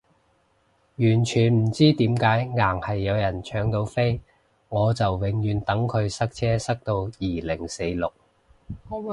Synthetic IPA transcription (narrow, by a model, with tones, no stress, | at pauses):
jyː˨˩nt͡ʃʰyː˨˩nm̩˨˩t͡siː˥t̪iː˨˥mkaː˨˥jŋaː˨˩ŋhɐ˨jːɐ˨˧wjɐ˨˩nt͡ʃʰœː˨˥ŋt̪o˨˧˥wfe˥j | ŋɔː˨˧t͡sɐ˨wwɪ˨˧˥ŋjyː˨˧nt̪ɐ˨˥ŋkʰɵ˨˧ɥsɐ˥k̚t͡sʰɛː˥sɐ˥k̚t̪o˧wjiː˨˩lɪ˨˩ŋse˨˧jlʊ˨k̚